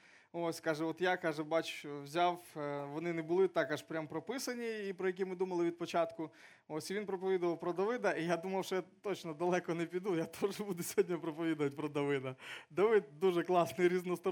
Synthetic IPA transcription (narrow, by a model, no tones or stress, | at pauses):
osʲkɑʒɛɔt̪jakɑʒɛbɑt͡ʃwzʲawʋɔnɪnɛbʊlˠɪt̪ɑkɐʃpɾʲampɾɔpɪsɐnʲiːpɾɔjɐk̬ʲimɪd̪umɐlˠɪʋʲid̪̚pɔt͡ʃat̪kʊ | osʲiʋʲinpɾɔpɔʋʲid̪ʊʋɐwpɾɔd̪ɐʋɪd̪ɐijad̪umɐwʃɔjat̪ot͡ʃnɔd̪ɐlˠɛkɔnɛpʲid̪ujat̪ʰɔʒbud̪ʊsʲɔ̥ɦɔdʲnʲɐpɾɔpɔʋʲid̪ʊʋɐtʲpɾɔd̪ɐʋɪd̪ɐd̪ɐʋɪd̪̚d̪uʒɛklˠɑsnɪjɾʲiznɔst̪ɔ